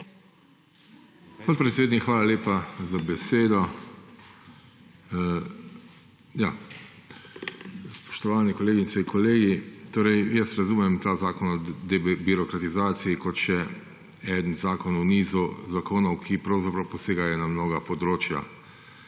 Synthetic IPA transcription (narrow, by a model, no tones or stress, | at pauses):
pɔt̪̚pɾɛt̪seːd̪nikxʋaːlaleːpazabɛseːd̪ɔ | ja | spɔ̥ʃt̪ɔʋaːnɛkɔleːɡinsɛiŋkɔleːɡit̪oːɾɛjjəst̪ɾazuːmɛmt̪aːzaːkɔnɔd̪ɛbiɾɔkɾat̪izaːt̪sijikɔt̪ʃɛ | ɛd̪nzaːkɔnɔniːzuzakoːnɔwkʰipɾawzapɾawpɔseːɡajɔnamnoːɡapɔd̪ɾoːt͡ʃja̰